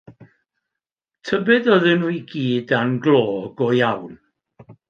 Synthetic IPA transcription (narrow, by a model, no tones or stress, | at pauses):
tʰəbɨðɔðɨnujɡiːdanɡlˠoːɡɔjawn